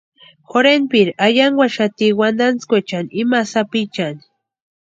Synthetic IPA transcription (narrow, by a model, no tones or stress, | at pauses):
xoɾenpiɾajaŋwaʃat̪iwand̪ant͡skʷet͡ʃanimasapit͡ʃani